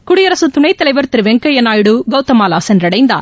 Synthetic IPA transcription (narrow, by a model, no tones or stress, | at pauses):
kʊɽɪjɐɾɐsɯt̪ʊɳɐɪt̪ɐlɐɪʋɐɾt̪ɪɾɯʋɛŋkɐjɐnaːjɽɯɡɐʊt̪ːɐmaːlaːsɛndɾɐɽɐɪnd̪a̰ːɾ